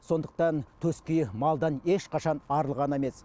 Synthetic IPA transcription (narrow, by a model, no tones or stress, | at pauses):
so̞nd̪əq̚t̪ɑnt̪ʰɵskʲejmɑlˠd̪ɑne̞ʃqʰɑʃɑnɑɾəlˠʁɑneme̞s